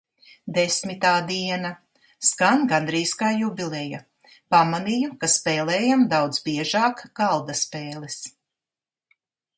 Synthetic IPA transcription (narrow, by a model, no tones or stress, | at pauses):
d̪esmit̪aːd̪iɛna | skanɡand̪ɾiːskaːjubʲilɛja | pamanijukaspɛːlɛːjamd̪awd̪zbiɛʒaːkɡalˠd̪aspeːlˠis